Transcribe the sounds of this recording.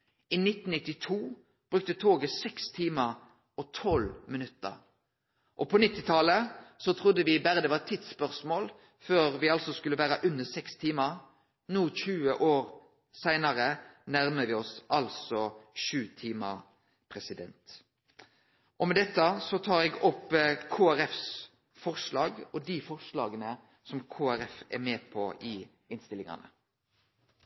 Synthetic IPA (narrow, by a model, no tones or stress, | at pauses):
iːnɪt̪ːn̩nɪt̪ːɪt̪ʰuː | b̥ʁʉk̚t̪ət̪ʰoːɡəsɛkst̪ʰiːməʁ | ɔt̪ʰɔlmɪnʉt̪ə̰ʁ | ʔɔpʰɔnɪt̪ːɪt̪ʰɑləsɔt̪ʰʁʊd̪əʋɪbæɾəd̪ɛʋɑɛt̪ʰit̪spœʁsmoːl | føːʁʋɪɑlsɔskʉlːəʋæːʁəʔʉnəsɛkst̪ʰiːməʁ | nuːçʉːəʔoːʁ | sæɪnɑʁənæʁməʋɪɔsʔɑlsɔʃʉːt̪ʰiːməʁ | pʰʁɛsɪd̪ɛnt̪ | ʔɔmɛd̪ɛt̪ːəsɔt̪ʰɑːɾɛːɡɔpːkʰoːæɾɛfs | fɔʁʂlɑːɡɔd̪ɪfɔʁʂlɑːɡənə | sɔmkʰoːæɾɛfɛ̰meːpʰɔʔɪ | ɪnst̪ɪlɪŋɑ̰nə̰